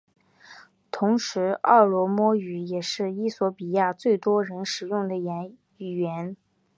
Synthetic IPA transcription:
t̪ʰʊ˧˥ŋʂɻ̩˧˥ɑ̰˥˩lwɔ˧˥mwɔ˥y˨˩jɛ˨˩ʂɻ̩˥˩i˥swɔ˧˥pi˨˩ja˥˧t͡swe˥˩ɪt̪wɔ˥ɻə˧˥nʂɻ̩˨˩jʊ˥˩ŋd̪ə˩jɛ˧˥˩ | ɥɛ˧˥n

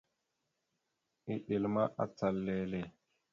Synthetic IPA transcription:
i˨ɗi˨lma˦ʔa̰˦t͡sa˨lːeː˨˦le˨

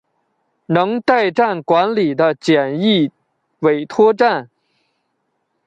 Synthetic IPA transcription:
nɤ˧˥ŋt̪a˥˩˧ɪʈ͡ʂa˥˩nkwa˧˥nli˨˩d̪ə˦t͡ɕjɛ˨˩ni˥˩ | we˨˩ɪt̪ʰwɔ˥ʈ͡ʂa˥˩n

